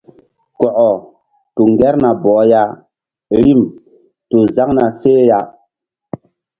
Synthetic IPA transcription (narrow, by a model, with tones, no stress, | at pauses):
kɔ˨ʔɔ˨ | tu˨ŋɡɛ˦ɾna˨bɔː˨˦ja˦ | ɾi˦˨m | to˨za˦ŋna˨se˦ja˦